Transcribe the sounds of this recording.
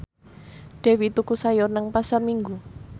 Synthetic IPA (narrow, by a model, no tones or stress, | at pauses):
ɖ̥e̤wit̪ukusajʊrnəŋpasalmiŋɡu